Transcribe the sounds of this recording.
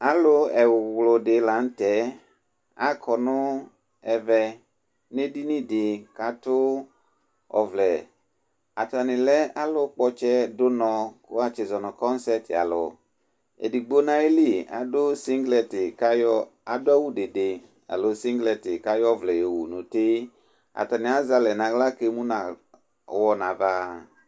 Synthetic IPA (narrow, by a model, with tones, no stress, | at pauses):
a˨lʊ˦ɛ˨wwlʊ˨de˨la˨n̩˦tɛ˨˦ | a˦kʰɔ˨nʊ˦ | ɛ˨vɛ˨ | ne˦di˦nĩ˦dɪ˨ka˦tʊ˦ | ɔ̰˨vlɛ˨ | a̰˨ta˨nɪ̃˨lɛ˦a˦lʊ˦k͡pɔ˦t͡ʃɛ˦dʊ˦nɔ̃˧kʊ˦a˦t͡ʃɪ˨zɔ˨nɔ˨kɔ˦n˦sɛ˦tɪ˨a̰˨lʊ̰˨ | ḛ˨di˨ɡ͡bo˦nã˧e˦li˦˨a̰˨dʊ˦si˦ŋɡlɛ˨tɪ˨˦ja˨dʊ˦a˦wu˦de˨de˨ | a̰˨lo˨si˦ŋɡlɛ˨tɪ˨ka˦jɔ˦˨vlɛ˨jo˨wu˨nʊ˨te˦ | a̰˨ta˨nɪ˨a˨˦za˧lɛ˨nã˨ɣla˦ke˧mu˦na˨ | wɔ˧nã˨va˧